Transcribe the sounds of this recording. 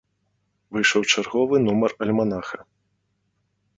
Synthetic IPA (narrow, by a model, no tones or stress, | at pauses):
vɨjʂɐwt͡ʂarɣɔvɨnumɐrɐlʲmanaxɐ